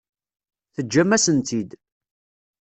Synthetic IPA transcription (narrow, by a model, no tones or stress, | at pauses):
θəd͡ʒːæmːæsənt̪id̪